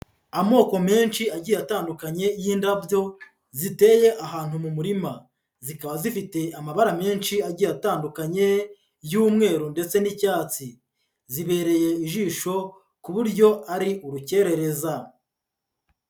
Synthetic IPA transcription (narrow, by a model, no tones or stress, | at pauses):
amo̞ːko̞me̞ːnʃiaɟiːjataːndukaɲe̞jiːndavjo̞ | zite̞je̞ʔaɦaːnhumumuɾima | zikaβazifite̞ʔamaβaɾame̞ːnʃiaɟiːjataːndukaɲe̞ | juːmŋe̞ːɾunde̞t͡se̞nicaːt͡si | ziβe̞ːɾe̞je̞iʒiːʃo̞ | kuβuɾɟo̞aɾiʔuɾuce̞ɾe̞ɾe̞za